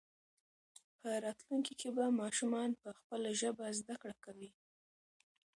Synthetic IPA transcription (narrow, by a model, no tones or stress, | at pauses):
pʰəɾɑt̪luŋkikʰebamɑʃumɑnpəxpəlaʒəbazd̪akɽakawi